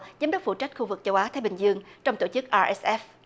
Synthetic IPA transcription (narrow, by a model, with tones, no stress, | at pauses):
zaː˨˦mɗə˦˥k͡p̚fṵ˧˨t͡ɕa˦˥jk̟̚xu˧vɨ˨˩k̚t͡ɕə˧wʔaː˨˦t̪ʰaː˨˦jɓï˨˩ŋ̟zɨ˧əŋt͡ɕɔ˧wŋ͡mt̪o˧˩t͡ɕɨ˦˥k̚ʔaː˧ʔɛ˦˥sʔɛ˦˥f